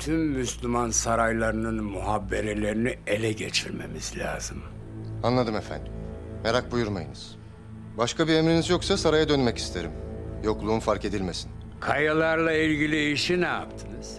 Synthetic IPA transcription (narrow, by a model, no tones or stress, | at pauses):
t̪ʰymːyslʲymansaɾajlˠaɾɯnɯnmuɦabːeɾelʲe̞ɾinielʲɛɟet͡ʃʰiɾme̞̰miz̥lʲa̰ːz̥ɯm | anlˠad̪ɯmefæ̰nd̪imme̞ɾak̚bujuɾmajɯnɯz̥ | baʃkʰabiemɾinizjo̞ksasaɾajad̪ø̞nmɛci̥st̪ʰe̞ɾimjo̞klˠuːnfaɾke̞d̪ilʲme̞sin | kʰajalˠaɾlˠailʲɟilʲiːʃinɛja̰pt̪ʰɯnɯz̥